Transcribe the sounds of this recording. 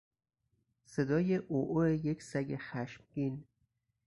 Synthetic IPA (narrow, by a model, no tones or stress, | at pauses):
sed̪ɒːjeʔoʔoejekʰsæɟexæʃmɡin